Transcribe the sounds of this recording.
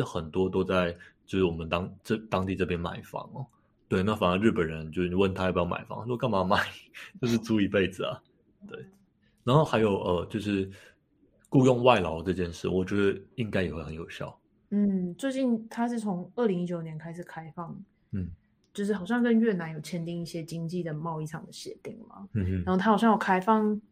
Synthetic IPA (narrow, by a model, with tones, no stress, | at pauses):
ə˧xə˨˩nt̪wɔ˥t̪o˥ʊt͡sa˥˧ɪt͡ɕjo˥˧ʊʂɻ̩˥˩wɔ˨˩mə˦nt̪ɑ˥ŋʈ͡ʂə˥˧˩t̪ɑ˥ŋt̪i˥˧ʈ͡ʂɤ˥˩p̬jɛ˥nma̰˨˩ɪfɑ̰˧˥ŋə˩ | t̪we˥˩ɪna˥˩fa˨˩nə˧˦ɻ̩˥˩pə˨˩nɻə˧˦nt͡ɕjo˥˧ʊʂ̩˥˨˩wə˥˩nt̪ʰa˥jpu˧jɑ˥˩ma̰˨˩ɪfɑ̰˧˦ŋ˧˦ɻu˥˧kŋma˧˥ma˨˩ɪt͡ɕjo˥˧ʊʂ̬ɻ̩˥˧t͡su˥i˧˥pe˥˩ɪd͡zɹ̩˩ɐ̰˨˩ | t̪we˥˩ɪ | na˧˥nxo˥˩ʊxa˧˥ɪjo˨˩ʊʔə˧t͡ɕjo˥˧ʊʂɻ̩˥˩ | ku˥˧jʊ˥˧ŋwa˥˩ɪlɑ˨˥ʊʈ͡ʂɤ˥˧t͡ɕjɛ˥˧nʂɻ̩˥˩wɔ˨˩t͡ɕɥɛ˧˥d̪ə˧i˧˥ŋka˥ɪjɛ˨˩xwe˥˩xə˧˦njo˨˩ʊɕjɑ̰˥˨˩ʊ | n̩˥˩t͡swe˥˧ɪt͡ɕi˥˩nt̪ʰa˥ʂɻ̩˥˩t͡sʰo˧˦˥ŋə˥˩li˧ŋi˦˥t͡ɕjo˨˩ʊnjɛ˧˦nkʰa˥ɪʂ̩˨˩kʰa˥ɪfɑ˥˩ŋ | n̩˥˩ | t͡ɕjo˥˧ʊʂ̬ɻ̩˥˩xɑ˨˩ʊɕjɑ˥˧ŋkə˥˦nɥɛ˥˩na˧˦njo˨˩ʊt͡ɕʰjɛ˥nt̪i˥˧ŋi˥˩ɕjɛ˦t͡ɕi˥ŋt͡ɕi˥˩d̪ə˩mɑ˥˧ʊi˥˩ʈ͡ʂʰɑ˨˩ŋd̪ə˩ɕjɛ̰˧˦t̪i˥˩ŋma̰˩˦n̩˥˧n˥˨˦o˥˩t̪ʰa˥˨˩ɕjɑ˥˧jo˨˩kʰa˥ɪfɑ˥˧ŋ